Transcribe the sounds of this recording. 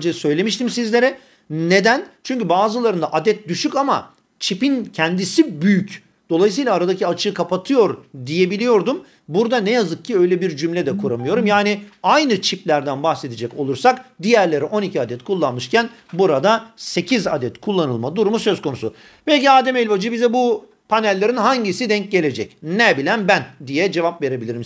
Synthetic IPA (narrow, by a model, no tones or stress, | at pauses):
d͡ʒesø̞jlʲe̞miʃt̪imsizlʲe̞ɾɛ | ne̞d̪ænt͡ʃʰyɲcybaːzɯlˠaɾɯnd̪aʔad̪ɛt̪̚d̪yʃycama̰ | t͡ʃʰipincʰænd̪isibyjyc | d̪̥o̞lˠajɯs̬ɯjlˠaːɾad̪aciat͡ʃʰɯːkʰapat̪ʰɯjo̞ɾd̪ije̞bilʲijo̞ɾd̪um | buɾd̪anɛjazɯk̚cʰiø̞jlʲɛbiɾd͡ʒymlʲɛd̪ɛkʰuɾamɯjo̞ɾumjaːniajnɯt͡ʃʰiplʲæɾd̪ænbaxse̞d̪ed͡ʒɛco̞̰lˠuɾsakd̪ijæɾlʲe̞ɾiʔo̞nicʰiad̪ɛt̪kʰulˠːanmɯʃcæn | buɾad̪ase̞cʰiza̰d̪ɛt̪kʰulˠːanɯlˠmad̪uɾumusø̞zkʰo̞nusu | b̥ɛlʲciaːd̪ɛmelʲvad͡ʒɯbizɛbu | pʰanɛlʲːe̞ɾinɦaɲɟisid̪ɛɲc̚ɟe̞lʲe̞d͡ʒɛcnɛbilʲænbænd̪ijɛd͡ʒe̞vapve̞ɾe̞bilʲiɾim